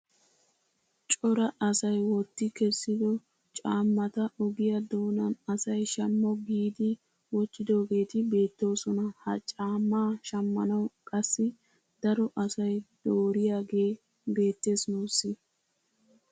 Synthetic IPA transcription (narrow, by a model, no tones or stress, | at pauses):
t͡ʃʼɔɾɐʔɐsɐjwɔt̪ːɪkɛsːɪd̪ɔ | t͡ʃʼaːmːɐt̪ɐʔɔɡɪjɐd̪oːnɐnɐsɐjʃɐmːɔɡiːd̪ɪ | wɔt͡ʃːɪd̪o̞ːɡe̞ːt̪ɪbe̞ːt̪ːo̞ːsɔnɐhɐt͡ʃʼaːmːaːʃɐmːɐnɐwkʼɐsːɪ | d̪̥ɐɾɔʔɐsɐjd̪̥oːɾɪjaːɡe̞ː | be̞ːt̪ːe̞ːsnosːɪ